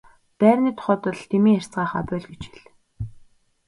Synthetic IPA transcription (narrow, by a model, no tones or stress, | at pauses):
pæːrniːt̪ʰχɔt̪ə̆ɮt̪ʰemiːær̥ʲt͡sʁaːχa̰pʲʊːɮɡet͡ɕi̥ɮ